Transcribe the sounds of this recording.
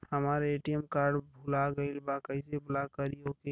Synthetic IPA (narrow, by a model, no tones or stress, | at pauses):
həmaɾeʈiemkaɾɖbʱulaɡəilbakəɪsebulakəɾioke